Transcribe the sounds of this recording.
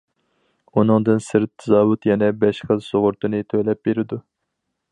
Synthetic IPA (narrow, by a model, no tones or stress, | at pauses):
unɨŋd̪ɨnsɨɾt̪ʰːɨzɑːwut̪jɛnɛbɛʃχəzsoʁʊɾt̪ɨnɨt̪ʰøjlɛp̚beɾɪd̪u